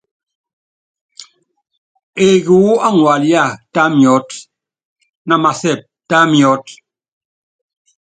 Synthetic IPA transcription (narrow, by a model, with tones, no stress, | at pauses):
e˨ɣu˨˦a˦ŋwa˨lja˦˨ta˦mjɔ˨˦t | na˨ma˨sɛ˦˨p̚ta˦mjɔ˦t̚